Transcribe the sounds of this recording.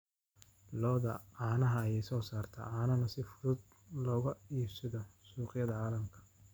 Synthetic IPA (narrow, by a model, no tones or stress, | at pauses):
lɔːðɐaːnɐɦɐːjɛjsɔːsaːrt̪ʰɐ̰ʔaːnɐnɐsɪfʊðʊd̪̚ | lɔːɣɐiːbsɪðɔsuːqɪjɐðɐʕaːlɐmkʰɐ̥